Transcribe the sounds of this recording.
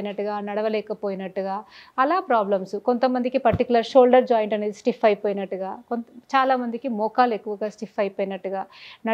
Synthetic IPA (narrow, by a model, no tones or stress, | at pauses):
jnɐʈːuɡaːnɐɽɐʋɐlɛːkɐpoːjinɐʈːuɡaːɐlaːpɾaːblɐmsuko̞nt̪ɐmːɐnd̪ikipɐɾʈ̪ikjulɐɾʃoːlɖɐɾd͡ʒaːjɳʈɐne̞ːd̪isʈifʰɐjpoːjnɐʈːuɡaːkont̪t͡ʃaːlaːmɐnd̪ikimɔːkaːle̞kːuʋɐɡaːsʈifʰɐjpɐːjnɐʈːuɡaːnɐ